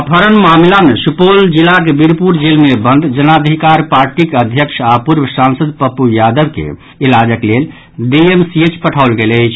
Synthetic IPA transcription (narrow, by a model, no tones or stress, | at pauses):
pʰəɾənmamlamesupold͡ʒilakebiɾpuɾd͡ʒelmebənd̪d͡ʒənad̪ʱikaɾpaɾʈikəd̪ʱjəkʃʰapuɾbʱsansəd̪pəpujad̪əbkḛ | ilad͡ʒəklel | ɖiemsiet͡ʃpəʈʰaʊlɡeləɪt͡ʃʰ